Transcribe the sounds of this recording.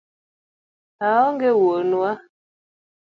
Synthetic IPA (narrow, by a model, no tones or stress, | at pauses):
aɔŋɡewonwa